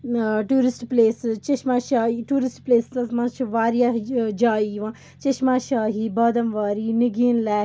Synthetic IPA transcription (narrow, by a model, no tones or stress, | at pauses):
ʈuːɾɪsʈpleːst͡ʃɐʃmaːʃaːiʈuːɾɪsʈpleːssɐsmãt͡ʃʰʋaːɾijaːd͡ʒaːiʋãː | t͡ʃɐʃmaːʃaːɦiːbaːd̪ɐmʋaːɾiːniɡiːnlɛː